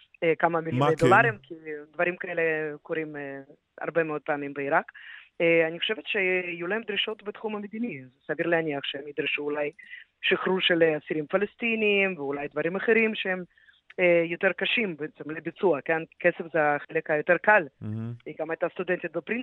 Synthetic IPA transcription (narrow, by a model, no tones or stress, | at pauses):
kamamiljoejd̪olaɾimkʰid̪vaɾimkaelekʰoɾim | a̰ɾbemeo̞d̪̚peamimbeiɾakː | aniχoʃevet̪ʃeijulaemd̪ɾiʃo̞t̪bet̪χumamed̪inizesaviɾleaniɐχʃehemid̪ɾiʃuːlajʃiχɾuʃeleasiɾimfalest̪iniːmveulajd̪vaɾimaχeɾimʃeem | jot̪eɾkaʃimbeet͡semlebit͡suɐkenkesefzeaχelekajot̪eɾkaliɡamajt̪ast̪ud̪ent̪it̪̚bepɾin